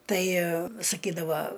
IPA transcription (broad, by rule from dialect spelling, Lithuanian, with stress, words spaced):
ˈtɐɪ sɐˈkʲiːdɐʋɐ